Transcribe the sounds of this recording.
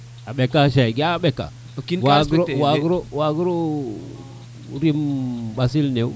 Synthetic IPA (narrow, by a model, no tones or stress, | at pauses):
abekaʃaɡiabeka̰ | kinwaɡɾowaɡɾowaɡuɾo | ɾimbasilneu